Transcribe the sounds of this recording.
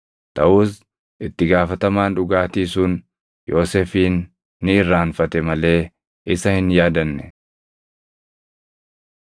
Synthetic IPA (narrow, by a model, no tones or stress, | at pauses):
t̪ɐʔuːs | ʔɪt̪ːɪɡaːfɐt̪ɐmaːnᶑʊɡaːt̪iːsuːn | jo̞ːsɛfiːnː | ɪɪrːaːnfɐt̪ɛmɐle̞ː | ɪsɐhɪnjaːd̪ɐnːɛ